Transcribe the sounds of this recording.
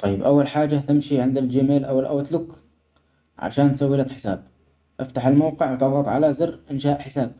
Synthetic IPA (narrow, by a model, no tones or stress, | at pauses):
t̪ˤɑjːɪbʔawːalħaːd͡ʒːat̪ɪmʃiʕɪnd̪ɪld͡ʒɪmeːlʔawːɪlʔa̰wat̪lʊk | ʕa̰ʃaːnt̪sawːiːlakħɪ̥sa̰ːb̥̚ | ʔaft̪aħɪlmawqɪʕwt̪ɑðˤɑt̪ˤʕalazɪrʔɪnʃaːʔħɪsaːb̚